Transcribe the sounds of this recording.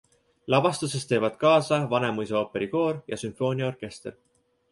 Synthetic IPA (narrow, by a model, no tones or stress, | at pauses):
lɑbɑst̪use̞st̪e̞ːvɑd̪̥kɑːsɑvɑne̞mujs̬eo̞ːpe̞ɾiko̞ːɾjɑsymfo̞ːnʲiɑorke̞st̪er